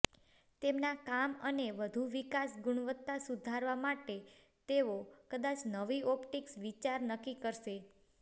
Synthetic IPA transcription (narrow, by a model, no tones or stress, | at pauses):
t̪emnakaməneʋəd̪ʱuʋikasɡʊɳ̃ʋət̪ːasud̪ʱaɾʋamaʈe | t̪eokəd̪at͡ʃnəʋiɔpʈiksʋit͡ʃaɾnəkikəɾʃe